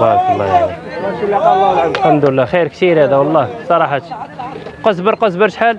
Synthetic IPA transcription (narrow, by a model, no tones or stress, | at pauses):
bɑɾkɑlˤːɑ̰jaæ | lħamd̪ʊəlːæxiɾkt̪iɾhæd̪æwɑlˤːɑsˤɑɾˤɑħɑt̪ | qɑsbəɾqɑsbəɾʃħal